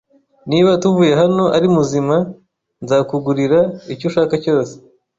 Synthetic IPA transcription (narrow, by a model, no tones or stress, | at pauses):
niβatuvuːjeɦano̞ʔaɾimuzima | nzaːkuɡuɾiɾaicoʃaːkaco̞ːse̥